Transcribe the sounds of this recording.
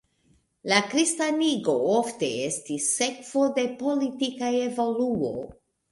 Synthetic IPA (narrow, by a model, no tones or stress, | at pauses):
lakɾistaniɡo̞ofte̞estisːe̞kv̥o̞de̞po̞litikaevo̞luo̰